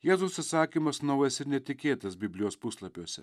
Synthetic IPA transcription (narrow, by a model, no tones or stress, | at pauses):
jɛːzʊsɐt̪sɑːkʲimɐsnoʊjɐsɪɾnʲɛt̪ʲɪkʲeːt̪ɐsbʲɪbʲlʲɪjoːspuslˠɐpʲoːsʲɛ̰